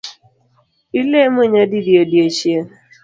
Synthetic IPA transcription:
ilemoɲedɪdiedieʃie

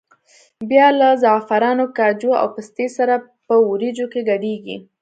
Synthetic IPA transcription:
bjɑlazɑfaɾɑnokɑd͡ʒoa̰wpəst̪esaɾa | pəwuɾid͡ʒokeɡaɖeɡḭ

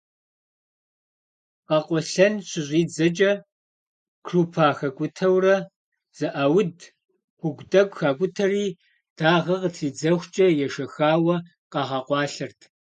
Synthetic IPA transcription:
qɑqʷɔɬɐnɕɪɕʷʼiːd͡zɐt͡ʃʼɐ | kʰruːpʰaːxɐkʷʼʊtʰɐwrɐ | z̥ɨʔɐwʊd | xʷʊɡʷtʼɐkʷʼxaːkʷʼʊtʰɐriː | d̥aːʁɐʁətʰiːd͡zɐxʷt͡ʃʼɐjɛʃɐxaːwɐ | qɑːʁɑːqʷɑːɬɨrtʰ

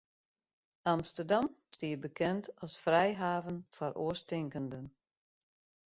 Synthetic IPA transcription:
amstərdɑmstiəbəkʰɛntɑlˠsfrɛjɦaːvənfɔɾʔo̰əstɪŋkəndən

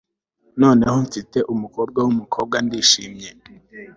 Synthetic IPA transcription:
no̞ːnehoɱfite̞ʔumuko̞ːb̚ɡawumukʰo̞ːb̚ɡandiːʃḭːmje̞

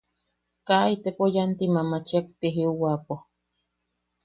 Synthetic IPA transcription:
kait̪epojant̪imamat͡ʃiekt̪iɦiuwapo

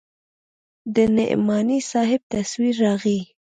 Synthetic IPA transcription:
d̪ənɪ̰ʔmɑnisɑhɪb̚t̪aswiɾːɑɣi

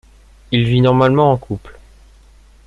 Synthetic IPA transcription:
ilvinɔʁmalmɑ̃ːkʰupl

